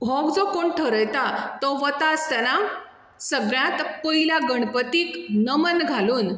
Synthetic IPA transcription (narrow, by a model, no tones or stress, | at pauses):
bʱɔɡd͡zɔkoɳʈʰəɾəjt̪at̪ɔʋət̪ast̪ɛna | səɡɭjãt̪pəɦiljaɡəɳ̃pət̪iːknəmənɡʱaluːn